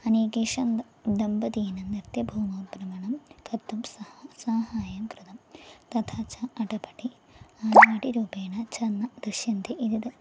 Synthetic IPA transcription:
ɐniːɡiʂɐn | d̪ɐmbɐd̪iːnɐnirt̪jɐbʱuːmoːbɾɐmɐɳɐmkɐt̪ːumsɐsaːhaːjɐmkrɨd̪ɐmt̪ɐt̪ʰaːt͡ɕʰɐɐʈɐpɐʈːi | aːnaːʈiɾuːbeːɳɐt͡ɕʰɐnːɐd̪ɾuɕjɐnd̪iʔid̪id̪ɨ

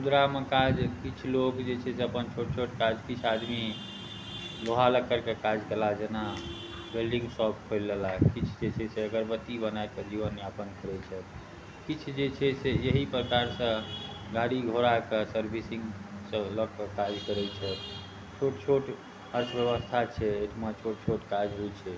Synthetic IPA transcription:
ud̪ɾamekad͡ʒkit͡ʃʰlokd͡ʒet͡ʃʰɛseəpənt͡ʃʰoʈ̚t͡ʃʰoʈkad͡ʒkit͡ʃʰad̪mi | loɦaləkːəɾkekad͡ʒkelad͡ʒena | belɖĩŋɡsɔbkʰojlːelaɦkit͡ʃʰd͡ʒet͡ʃʰɛseəɡəɾbət̪ːibənaekəd͡ʒiʋənːapənkəɾɛt͡ʃʰɛ | kit͡ʃʰd͡ʒet͡ʃʰɛsejəɦipɾəkaɾsə̃ | ɡaɽiɡʱoɾakəsəɾbʱisiŋsə̃ləkːəkad͡ʒkəɾɛt͡ʃʰɛ | t͡ʃʰoʈt͡ʃʰoʈ | həɾsbjəʋəst̪ʰat͡ʃʰɛeʈʰmet͡ʃʰoʈ̚t͡ʃʰoʈkad͡ʒɦot͡ʃʰɛ

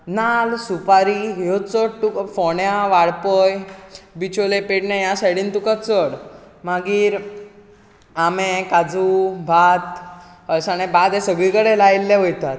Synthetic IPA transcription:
nalsupaɾiɦjot͡səɽʈukfɔɳjaʋaɽpɔjbit͡ɕolepeʈnɛ̃jasaɽ̤iːnt̪ukət͡səɽ | maɡiːɾ | amɛ̃kad͡zubʱat̪ | əlsañɛbad̪ɛsəɡɭikəɽelailːɛɦojt̪at̪

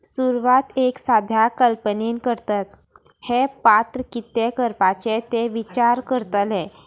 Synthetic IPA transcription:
suɾʋat̪eksad̪ʱjakəlpənenkəɾt̪at̪ | hepat̪ɾəkit̪ːekəɾpat͡ɕet̪eʋit͡ɕaɾkəɾt̪əlɛ̃

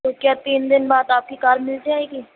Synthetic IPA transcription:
okjaːt̪iːnd̪ɪnbaːd̪aːp̚kikaːɾmɪld͡ʒaːeːɡiː

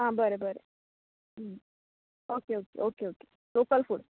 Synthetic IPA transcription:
ɦãːbəɾebəɾe | ɦ | oːkeoːkḛʔoːkeoːke̥ | loːkəlfuɖ

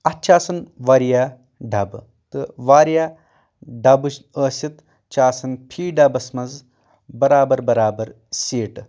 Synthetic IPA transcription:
ɐt͡ʃaːsɐnʋaɾijaː | ɖʱɐb | t̪ɨʋaːɾijaː | ɖɐbɨʃəːsit̪ | t͡ʃaːsɐnpʰiːɖɐbɐsmɐz | bɐɾaːbɐɾbɐɾaːbɐɾ | seːʈ

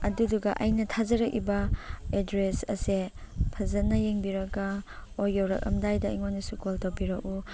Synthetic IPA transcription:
ɐduduɡɐʔɐjnɐtʰazɐɾɐk̚ḭbɐedɾesɐ̰se | pʰɐzɐnɐjeŋbiɾɐɡɐojowɾɐ̰k̚ɐ̰mdajdɐiŋonisukoltowbiɾɐk̚u

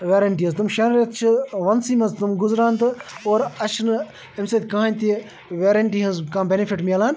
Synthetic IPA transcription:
ʋeːɾɐɳʈiːɐzt̪umʃɐnɾɐt̪t͡ʃʰɨʋɐnsiːmɐnzt̪umɡʊzɾaːnt̪ɨoːɾɐʃʰn | emset̪ʲkɐɦaːnʲt̪i | ʋeːɾɐɳʈiːɦɐnzkɐ̃ːbʲenifʰiʈmʲalaːn

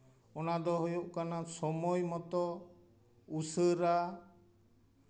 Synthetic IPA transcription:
ɔnad̪ɔɦujuʔkanasɔmɔjmɔt̪ɔ | usəɾa

